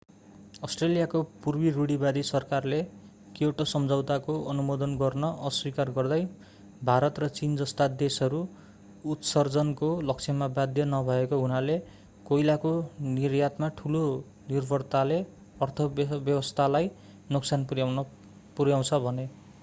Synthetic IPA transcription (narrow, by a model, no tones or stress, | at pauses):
ʌsʈrelijakopurbiɾuɽibad̪isʌrkarle | kioʈosʌmd͡zaw̃t̪akoʌnumod̪ʌnɡʌrnʌʔʌswikarɡʌrd̪ʌj | bʱaɾʌt̪rʌt͡sind͡zʌst̪ad̪esʌɾuː | t̪sʌrd͡zʌnkolʌksʰʌmabad̪jʌnʌbʱʌekoɦunale | kojlakonirjat̪maʈʰulo | nirbʱʌrt̪ale | ʌrt̪ʰʌbjʌwʌst̪ʰalaj | noksanpujan | puɾjaw̃t͡sʰʌbʱʌne